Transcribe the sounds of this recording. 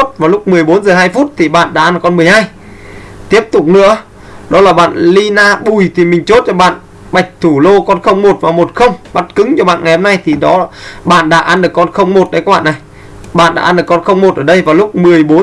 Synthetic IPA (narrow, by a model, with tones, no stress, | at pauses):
t̚vaː˨˩lʊ˦˥k͡p̚mɨ˨˩əjɓo˨˦nzəː˨˩haː˧jfu˦˥t̚t̪ʰi˨˩ɓa̰ː˧˨nɗa̰ː˧˥ʔnɨ˨˩kɔ˧nm˨˩əjhaː˧j | t̪i˦˥əp̚t̪ʊ˨˩k͡p̚nɨ̰˧˥ə | ɗɔ˨˦laː˨˩ɓa̰ː˧˨nli˧naː˧ɓu˧˩jt̪ʰi˨˩mï˨˩ŋ̟t͡ɕo˦˥t̚t͡ɕɔ˧ɓa̰ː˧˨n | ɓa˨˩jk̟̚t̪ʰu˧˩lo˧kɔ˧nxə˧wŋ͡mmo˨˩t̚vaː˨˩mo˨˩t̚xə˧wŋ͡mɓa˦˥t̚kɨ˨˦ŋt͡ɕɔ˧ɓa̰ː˧˨nŋa˨˩jho˧na˧jt̪ʰi˨˩ɗɔ˨˦ɓa̰ː˧˨nɗa̰ː˧˥ʔa˧nɗɨ˨˩əkːɔ˧nxə˧wŋ͡mmo˨˩t̚ɗə˨˦kaː˧˦kɓa̰ː˧˨na˨˩j | ɓa̰ː˧˨nɗa̰ː˧˥ʔɗɨ˨˩kɔ˧nxə˧wŋ͡mmo˨˩t̚ʔəː˧˩ɗə˧jvaː˨˩lʊ˦˥k͡p̚mɨ˨˩əjɓo˨˦